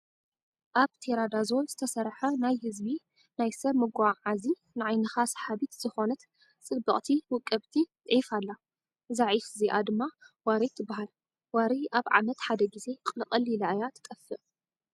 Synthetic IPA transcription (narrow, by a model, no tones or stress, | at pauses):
ʔaβt̪ʰeɾad̪azonzɨt̪ʰɐsɐɾħɐnajhɨzbi | najsɐβmɨɡʷaʕazi | nɨʕajnɨxasħaβit̪z̥ɨxo̞nɐt̪ | t͡sʼɨbːɨχʼt̪ʰiwʊkʼːɐβt̪ʰi | ʕefalːa | zaʕifziʔad̪ɨmːawaɾit̪ʰːɨbːaɦal | waɾiʔaβʕa̰mɐt̪ħad̪ɐɡize̞kʼlɨqʼɐlilaajat̪ʰk̪ʼɐfːɨʔ